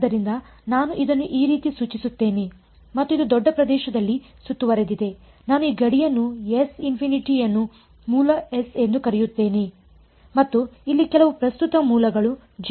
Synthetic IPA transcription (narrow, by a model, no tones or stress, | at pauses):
ɐɾind̪ɐ | naːnuʔid̪ɐnːuʔiːɾiːt̪isuːt͡ʃisut̪ːe̞ːne | mɐt̪ːuid̪ud̪ɔɖːɐpɾɐd̪ɛːʃɐd̪ɐlːi | sut̪ːuʋɐɾed̪id̪e̞ | naːnuiːɡɐɽijɐnːuesinpʰiniʈijɐnːu | muːlɐesend̪ukɐɾɛjut̪ːe̞ːne | mɐt̪ːuilːikɛlɐʋupɾɐst̪ut̪ɐmuːlɐɡɐɭu | d͡ʒ